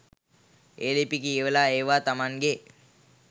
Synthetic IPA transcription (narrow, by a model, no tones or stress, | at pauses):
eːlipikijeʋəlaeːʋat̪amaŋɡe